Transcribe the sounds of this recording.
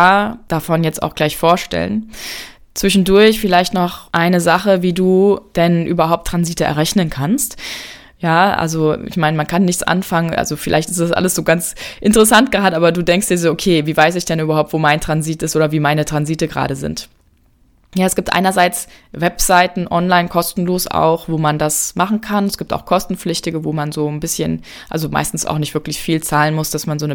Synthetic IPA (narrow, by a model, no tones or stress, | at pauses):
ad̥afɔnjɛt͡sta̰ʊxɡ̥laɪçfoːɐʃtɛ̰lə̰n | t͡sv̥ɪʃn̩dʊɐçfɪlaɪçtnɔχʔaɪnəzaχəviːduːd̥ɛnʔy̰ːbɐɦaʊp̚tʰːʁ̥anziːtəʔɛ̰ɐʁɛçnənkʰanst | jaːʔa̰lzoʔɪ̰çmaɪnəmankʰanːɪçt͡sʔa̰nfaŋənʔa̰lzofɪla̰ɪçtɪ̥std̥asʔa̰ləsz̥oːɡant͡sʔɪntəʁəsant̚ɡ̥əʁaːdəʔaːbɐduːdɛŋkst̚d̥iːɐzoːokʰeːviːvaɪs̬ɪçd̥ɛnyːbɐhaʊp̚tv̥oːmaɪntʁ̥anziːtɪstʔoːdɐviːmaɪnətʁ̥anziːtəɡəʁa̰ːɾəzɪ̰nt | jaːɛsɡ̥iːptʔa̰ɪnɐzaɪt͡svɛpz̥aɪtn̩ʔɔnlaɪnkʰɔstn̩loːsa̰ʊxvoːmandasmaχn̩kʰanɛsɡ̥iːp̚ta̰ʊxkʰɔstn̩p͡flɪçtɪɡəvoːmanzoːnbɪsçən | ʔa̰lzoma̰ɪstn̩sa̰ʊxnɪçtv̥ɪɐklɪçfiːlt͡saːlənmʊsd̥asmanzoːnə